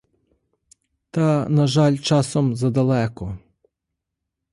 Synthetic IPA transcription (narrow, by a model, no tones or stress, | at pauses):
t̪ɐnɐʒɑlʲt͡ʃɑsɔmzɐd̪ɐlˠɛkɔ